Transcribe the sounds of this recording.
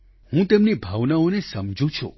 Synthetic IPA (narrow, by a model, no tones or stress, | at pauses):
hũt̪emnibʱaʋnaonesəmd͡ʒʱũt͡ʃʰṵ